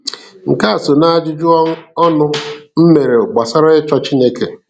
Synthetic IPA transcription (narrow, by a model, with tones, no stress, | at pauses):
ŋ̩˨ka˦a˨so˨na˦a˦˨d͡ʒɪ˦d͡ʒʊ˦ɔ˦nʊ˦m̩˦me˨ɾe˨ɡ͡ba˨sa˦ɾa˦ɪ˦t͡ʃɔ˦t͡ʃi˦ne˦ke˨